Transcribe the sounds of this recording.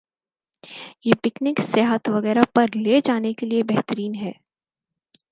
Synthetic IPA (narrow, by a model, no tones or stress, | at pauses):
jeːpɪknɪksjɛːɦət̪ʋɐɣɛːɾapɐɾled͡ʒaːnekeliebɛɦt̪əɾiːnɦɛː